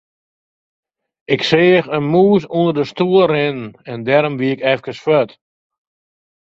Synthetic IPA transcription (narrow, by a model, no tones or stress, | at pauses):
ɪkseəxənmuːs̬undərdəstuːərɪnɛndɛɾɔmʋiɪkɛfkəsføt